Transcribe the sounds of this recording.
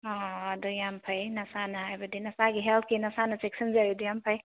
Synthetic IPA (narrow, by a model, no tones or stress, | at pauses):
ad̪ujampʰɐjnɐsanɐajbɐdinɐsaɡiɦɛlt̪ʰkinɐsanɐseksɐnzabid̪ujampʰɐj